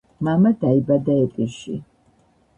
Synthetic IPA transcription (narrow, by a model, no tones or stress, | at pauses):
mamad̪aibad̪aɛpʼiʃḭ